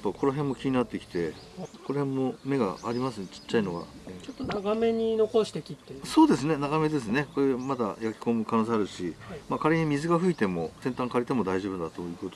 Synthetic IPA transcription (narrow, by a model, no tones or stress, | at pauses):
pːakʰo̞noɦẽ̞mːo̞kʲiɲ̟inat̪ːe̞kʲi̥t̪e̞ko̞ɾhẽ̞mːo̞me̞ɡa̰ːɾʲimasɨt͡ɕi̥t͡ɕːaino̞ɡa̰t͡ɕot̪ːonaɡame̞ɲ̟ino̞ko̞ɕi̥t̪ekʲit̪ːeso̞ːd̪e̞sɨne̞naɡame̞d̪e̞s̬ɨne̞ko̞ɾemad̪a̰jakʲi̥ko̞mɯ̟kano̞ːseaɾɯ̟ɕimaːkaɾeɲimʲizɨɡaɸɯ̟it̪e̞mo̞sẽ̞nt̪ãŋkaɾit̪e̞mo̞d̪aiʑo̞bɯ̟nd̪at̪o̞jɯ̟ːko̞t̪o